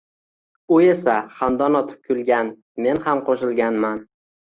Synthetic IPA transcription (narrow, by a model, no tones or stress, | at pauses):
ʊe̞saχand̪ɒnɒt̪ʰɪ̥p̚kʲʰʊlˠɡʲan | me̞nhamqʰoʃɪlˠɡʲanman